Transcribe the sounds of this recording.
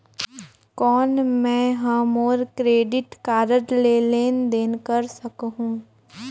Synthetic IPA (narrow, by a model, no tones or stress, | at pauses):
kɔːnmɛ̃ːɦɐmoːɾkɾeːɖɪʈkaːɾəʈleleːnd̪eːnkəɾsɐkɦũː